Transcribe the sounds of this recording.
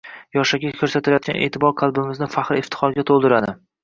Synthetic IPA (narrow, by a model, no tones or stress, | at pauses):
jɒʃaɡʲakʰɵɾsat̪ʰɪlajɒt̪̚ʲa̰nʔeːt̪ʰɪbɒɾqʰɑlˠbɪmɪznɪfaχɾɪft̪ʰɪ̥χɒɾɡʲat̪ʰolˠd̪ɪɾad̪ɪ